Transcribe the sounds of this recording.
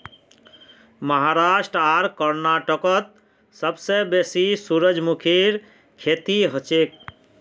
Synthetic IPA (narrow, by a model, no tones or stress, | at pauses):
məɦaɾaʃʈɾaɾkəɾnaʈəkət̪̚ | səbsebesisuɾəd͡ʒmukʰiɾ | kʰet̪iɦət͡ʃek̚